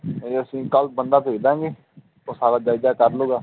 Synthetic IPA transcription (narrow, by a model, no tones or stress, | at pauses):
eːəsĩːkəlp̚bənd̪aːt̪ʰeːd̪ãːɡeː | t̪oːsaːɾaːd͡ʒaːɪd͡ʒaːkəɾloːɡaː